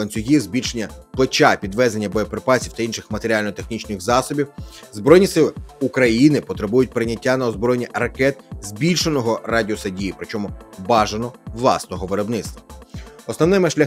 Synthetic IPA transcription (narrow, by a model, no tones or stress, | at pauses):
ɐnʲt͡sʲsʲʊɦʲizʲbʲilʲʃenʲːɐplˠet͡ʃapʲid̪ʋɛzenʲːɐbɔjɔpɾɪpɑsʲiwt̪ɐinʃɪxmɐt̪eɾʲialʲnɔt̪exnʲit͡ʃnɪxzɑsɔbʲiw | zbɾɔjnʲisɪlˠɪukɾɐjinɪpɔt̪ɾɪbujʊt̚ʲpɾɪnʲɐtʲːanɐɔzbɾɔjenʲirɐkɛt̪zʲbʲilʲʃenɔɦɔrɑdʲiɔsɐdʲijipɾɪt͡ʃɔmʊbɑʒɐnɔʋlˠɑ̰snɔɦɔʋeɾɔbnɪt̪st̪ʋɐɔsnɔwnɪmɪʃlʲɐ